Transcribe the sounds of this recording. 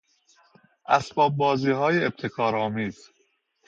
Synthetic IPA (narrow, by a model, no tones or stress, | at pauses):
ʔæsbɒːb̚bɒːziːɦɒːjeeb̚t̪ʰe̞kʰɒːɾɒːmiːz̥